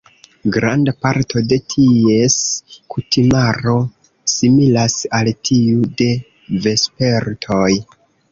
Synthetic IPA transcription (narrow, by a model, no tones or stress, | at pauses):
ɡɾandapaɾtʰo̞de̞tʰie̞skutimaɾo̞ | similasaltʰiude̞ | ve̞spe̞ɾtʰo̞j